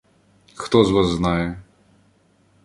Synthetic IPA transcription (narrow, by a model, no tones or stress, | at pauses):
kt̪ɔzʋasznajɛ